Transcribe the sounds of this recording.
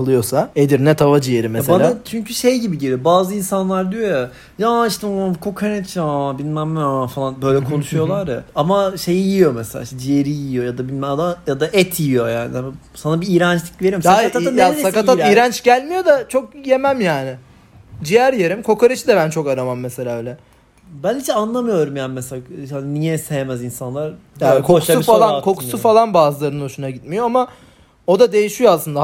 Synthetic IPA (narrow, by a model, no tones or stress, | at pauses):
kɯlˠɯjo̞saed̪iɾnɛt̪ʰavad͡ʒijeɾimesebanlʲaat͡ʃʰyɲcʰyʃejɟibiɟilʲijo̞baːzɯinsanlˠaɾd̪yjo̞ja | jaːiʃt̪ʰɛkʰo̞kʰanet͡ʃabinʲmæmːfalˠanbø̞jlʲɛkʰo̞nuʃujo̞lˠaɾaamaʃe̞jijijo̞mɛselʲa̰ːiʃt̪ɛd͡ʒijeɾiijo̞jad̪abilʲmɛad̪ajad̪aʔɛt̪ʰijijo̞jaːnɪa | sanabiːjɾant͡ʃt̪ʲicve̞ɾimsaaajaakat̪at̪ijɾant͡ʃɟælʲmijo̞d̪at͡ʃʰo̞kje̞mæmjaːnɪ | d͡ʒijæɾjeɾimkʰo̞kaɾɯʃɯd̪ɛbænt͡ʃʰo̞kaɾamamːese̞lʲaːøːlʲɛ | bænid͡ʒʰɛanlˠamɯjo̞ɾumjaːnɪmeselahaninijɛsejemæzinsanlˠaɾ | akʰousufalˠankʰo̞kkʰu̥sufalˠanbaːzɯlˠaɾɯnoʃunaɟit̪mijo̞ama | o̞d̪ad̪e̞jiʃijoaslˠɯnd̪a